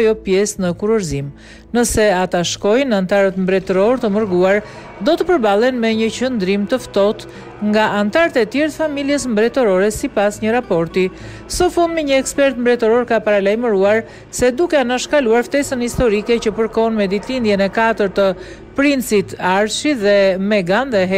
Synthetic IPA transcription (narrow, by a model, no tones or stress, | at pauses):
jɔpjɛsnəkuɾuɾzim | nəsɛat̪aʃkɔjnant̪aɾət̪mbɾɛt̪ɔɾɔɾt̪əməɾɡuaɾ | d̪ɔt̪əpəɾbalˠɛnmɛɲəcənd̪ɾimt̪əft̪ɔt̪ | ŋɡaʔant̪aɾt̪ɛt̪jɛɾt̪əfamiljɛsmbɾɛt̪ɔɾɔɾɛsipasɲəɾapɔɾt̪i | sɔfund̪mɛɲəɛkspɛɾt̪mbɾɛt̪ɔɾɔɾkapaɾalajməɾuaɾ | sɛd̪ukɛanaʃkaluaɾft̪ɛsənhist̪ɔɾikɛcəpəɾkɔnmɛd̪it̪lind̪jɛnɛkat̪əɾt̪ə | pɾint͡sit̪aɾʃiðɛmɛɡand̪ɛɦɛ